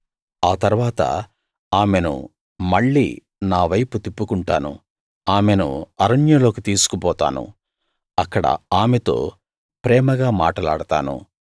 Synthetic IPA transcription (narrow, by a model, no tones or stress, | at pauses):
aːt̪ɐɾʋaːt̪ɐ̰ | aːme̞nṵ | mɐɭːḭː | naːʋɐjput̪ipːukuɳʈaːnṵ | aːmenṵɐɾɐɳjɐlo̞ːkit̪iːsu̥kupɔːt̪a̰ːnṵ | ɐkːɐɽɐ̰aːmet̪o̞̰ː | pɾɛːmɐɡaːmaːʈɐla̰ːɽɐt̪a̰ːnṵ